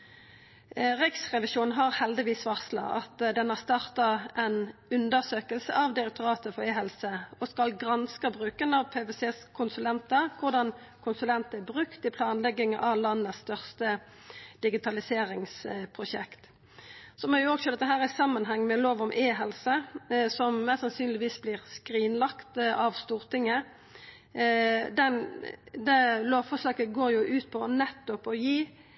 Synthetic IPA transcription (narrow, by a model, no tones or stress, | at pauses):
ʁɪksʁɛʋɪʃuːnn̩ɦɑʁhɛld̪ɪʋiːsʋɑʁslɑ̰ʔɑt̪d̪ɛnɑʁst̪ɑːʁt̪ɑʔɛnʉnd̪əʁsøːkəlsə̰ʔɑʋd̪ɪɾɛk̚t̪ʊɾɑːt̪əfɔeːɦɛlsəɔskɑlɡʁɑnskəbʁʉːkənɑʋpʰeːʋeseːskʰʊnsʉlɛnt̪ɑkʰʊʁd̪ɑn | kʰʊnsʉlɛnt̪æbʁʉkt̪ɪpʰlɑːnlɛɡɪŋʔɑʋlɑnːəsst̪œʁst̪ə | d̪̥ɪɡɪt̪ʰɑlɪseːɾɪŋspʰʁʊʃɛ̰kt̪ | sɔmɛjʊɔɡsɔd̪ɛt̪ːəɦæːʁɪsɑmːənɦɛŋːmɛloːʋɔmʔeːɦɛlsəsɔmmɛsɑnsyːnlɪʋiːsbliːʁskʁiːnlɑkt̪ɑʋst̪uːʁt̪ʰɪŋːə | d̪ɛnd̪ɛloːʋfɔsɑːkəɡoːjʊʔʉːt̪̚pʰɔnɛt̪ːɔpɔjiː